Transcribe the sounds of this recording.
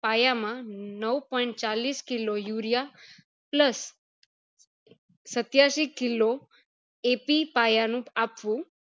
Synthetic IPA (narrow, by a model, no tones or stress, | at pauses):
pajamãnəwpɔjɳt͡ɕaliskilojuɾija | pləs | ət̪jaʃikilo | epipajanũapʋũ